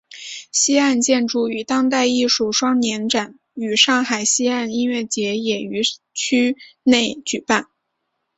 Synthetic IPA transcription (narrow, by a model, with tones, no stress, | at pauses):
ɕi˥a˥˧nt͡ɕjɛ˥˧nʈ͡ʂu˥˩y˨˩t̪ɑ˥ŋt̪a˥˧ɪi˥˧ʂu˥˩ʂwɑ˥ŋnjɛ˧˥nʈ͡ʂa˨˩n | y˨˩ʂɑ˥˩ŋxa˨˩ɪɕi˥a˥˩ni˥nɥɛ˥˩t͡ɕjɛ˧˥jɛ˨˩y˧˥ | t͡ɕʰy˥ne˥˩ɪt͡ɕy˨˩pa˥˩n